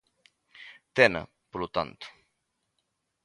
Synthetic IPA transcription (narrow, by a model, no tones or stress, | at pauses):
t̪ɛnə̰ | poɾlut̪a̰nt̪u̥